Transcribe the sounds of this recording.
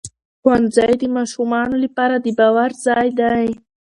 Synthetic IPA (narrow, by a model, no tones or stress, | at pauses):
xwanzajd̪əmɑʃumɑnolapɑɾad̪əbɑwaɾzɑjd̪aj